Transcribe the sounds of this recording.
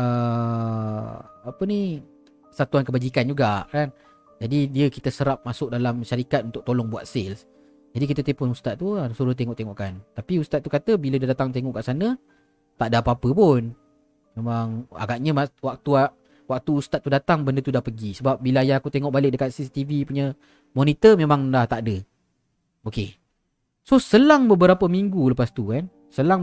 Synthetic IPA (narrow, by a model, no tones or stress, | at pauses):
ə | apəni | sat̪uankəbad͡ʒikand͡ʒuɡaʔkan | d͡ʒadidiəkit̪əsəɾap̚masʊk̚dalamʃaɾikat̪̚unt̪ʊk̚t̪olɔŋbua̰t̪̚sels | d͡ʒadikit̪ət̪epʊnust̪at̪̚t̪ːuasuɾʊht̪eŋɔʔt̪eŋɔʔkant̪apiust̪at̪̚ːukat̪əbilədadat̪aŋt̪eŋɔʔkaʔsanə | t̪aʔdapapəpʊn | memaŋa̰ɡaʔɲəmawak̚t̪uaʔ | wak̚t̪uːst̪at̪̚ːudat̪aŋbəndət̪udahpəɡisəbap̚bilajaakut̪eŋɔʔbalɪk̚dəkat̪sisi̥t̪ivipuɲə | mɔnit̪əmemãŋlaht̪aʔdə | oke | sosəlaŋbəbəɾapəmiŋɡuləpast̪ukan | səlaŋ